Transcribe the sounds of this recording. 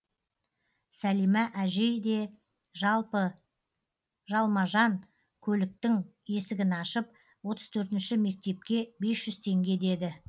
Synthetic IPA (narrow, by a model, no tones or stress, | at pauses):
sælijmæʔæʒejd̪e̞ | ʒɑlˠpə | ʒɑlˠmɑʒɑŋ | kʲʰɵlɪk̚t̪ɪŋ | je̞sɪɡʲɪnɑʃəp̚ | wo̞t̪əz̥t̪ʰɵɾt̪̬ɪnʃɪme̞k̚t̪e̞p̚kʲe̞be̞sʒ̥ʏz̥t̪ʰe̞ŋɡʲe̞d̪e̞d̪ɪ